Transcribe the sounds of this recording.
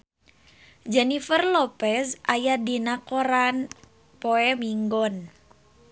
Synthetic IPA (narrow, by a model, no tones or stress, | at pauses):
d͡ʒɛnifərlɔpɛsʔajadinakɔɾan | poɛmiŋɡɔn